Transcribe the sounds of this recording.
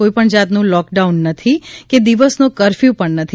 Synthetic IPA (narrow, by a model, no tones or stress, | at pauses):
oipəɳd͡ʒat̪nũlɔk̚ɖaunːət̪ʰiked̪iʋəsnõkəɾfjũpəɳnət̪ʰi